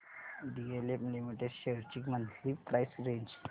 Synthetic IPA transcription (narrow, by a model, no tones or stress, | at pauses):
ɖiɡelepnimiʈeɾɕeɾt͡ɕikmənlipɾajsɾeɲd͡ʑ